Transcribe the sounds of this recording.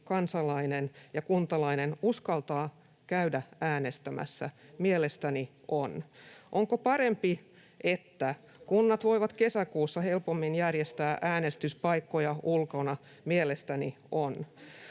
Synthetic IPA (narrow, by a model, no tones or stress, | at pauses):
kɑnsɑlɑinenjɑkunt̪ɑlɑinenuskɑlt̪ɑː | kæydææːnest̪æmæ̰sːæ̰mielest̪æniʔonʔoŋkopɑɾempi | ʔet̪ːæ | kunːɑt̪ʋo̞iʋɑt̪kesækuːsːɑhe̞lpomːinjærjest̪æːʔæːnest̪yspɑikːojɑʔulkonɑ | mielest̪æniʔon